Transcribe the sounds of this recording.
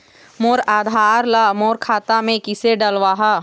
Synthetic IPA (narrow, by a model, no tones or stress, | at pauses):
moːɾaːd̪ʱaːɾlamoːɾkʰaːt̪amẽkɪseɖəlʋaːɦa